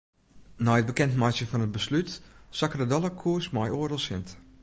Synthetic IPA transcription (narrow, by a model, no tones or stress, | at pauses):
nɔjət̚bəkɛntmajsjəfɔnət̚bəslytsakədədɔlˠəkʰuəsmɔjoːərdəlˠsɪnt